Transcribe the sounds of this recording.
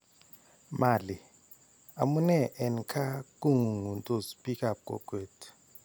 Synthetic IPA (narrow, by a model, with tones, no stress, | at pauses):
ma˨li˨ | a̰˨mu˦nɛ˨ʔɛ˨nkʰa˦ku˦ŋu˨ŋu˨ntʼo˨spʼi˦kʼa˨p̚kʼɔ̰˨kʼweː˨tʰ